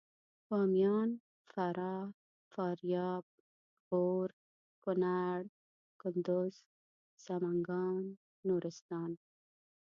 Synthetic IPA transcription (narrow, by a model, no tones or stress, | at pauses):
bɑmjɑːn | faɾʔɑ | fɑɾjɑːb̚ | ɣoɾ | kʊnaɽ | kʊnd̪ʊz̥ | z̥amaŋɡɑːnː | uɾɪst̪ɑːn